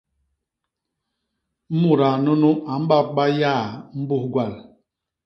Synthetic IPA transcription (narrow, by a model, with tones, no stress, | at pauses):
m̩˦mu˨ɾa˨nu˦nu˦ʔa˨m̩˦ba˦ɓa˦ja˦˨m̩˦bu˦hɡwa˦˨l